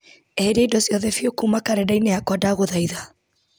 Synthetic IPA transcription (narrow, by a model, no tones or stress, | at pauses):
ɛɾaidɔsiɔðɛfjokumakaɾɛdainɛakwadaɣoðaiða